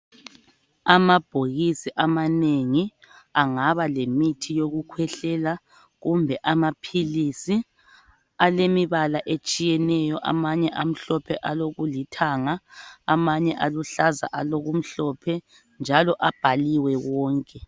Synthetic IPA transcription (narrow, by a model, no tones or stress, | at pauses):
amab̥ʱoɣisiʔamaneŋi | aŋaβalemitʰijoɣukʰwɛɬɛla | ɣumbʱɛʔamapʰilisi | alemiβalaʔet͡ʃʼijɛnɛjɔʔa̰maɲɛʔam̩ɬɔpʰɛʔaloɣulitʰaŋaːmaɲɛʔaluɬaza̰ʔaloɣum̩ɬɔpʰɛ | nd͡ʒʱalɔʔab̥ʱaliwɛɣɔːŋkʼɛ